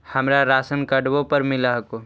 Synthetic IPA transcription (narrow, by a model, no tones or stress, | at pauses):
həmɾaɾaːsənkəɖbõpəɾmɪlaɦko